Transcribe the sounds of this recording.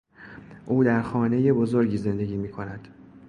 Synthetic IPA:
ʔuːd̪æɾxɒːne̞je̞bo̞zo̞ɾɟiːze̞nd̪e̞ɡɟiːmiːkʰo̞næd̪̥

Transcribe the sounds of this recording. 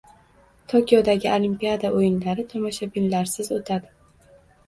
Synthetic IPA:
t̪ʰokʲijɒd̪aɡʲɪʔolimpiad̪aʔojɪnlaɾɪt̪ʰʊmaʃabɪnlaɾsɪzot̪ʰad̪ɪ

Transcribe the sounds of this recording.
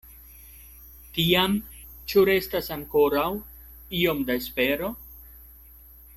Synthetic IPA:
tiam | t͡ʃuɾe̞stasaŋko̞ɾaw | io̞mdaespe̞ɾo̞

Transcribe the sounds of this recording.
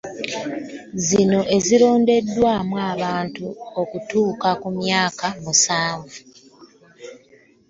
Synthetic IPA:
zino̞ʔe̞ziɾo̞ːnde̞dːwaːmwaːβaːntuo̞kutuːkakumjaːkamusaːɱvu

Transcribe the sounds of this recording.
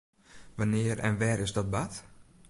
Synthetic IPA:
ʋanɪəɾɛ̰nʋɛːɾʔɪsdɔt̚bat

